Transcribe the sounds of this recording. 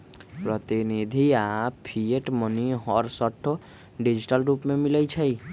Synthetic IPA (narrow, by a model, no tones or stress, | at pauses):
pɾət̪inid̪ʱiapʰieʈməniɦɔɾsəʈʰːo | ɖid͡ʒiʈəlɾupmemiləjt͡ʃʰəj